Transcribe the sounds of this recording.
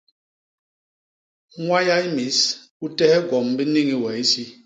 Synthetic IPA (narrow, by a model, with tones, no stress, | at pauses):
ŋwa˦ja˦i˦mi˨˦s | u˦tɛ˦hɛ˦ɡɔ˨mbi˦ni˦ŋi˨wɛ˨i˦si˦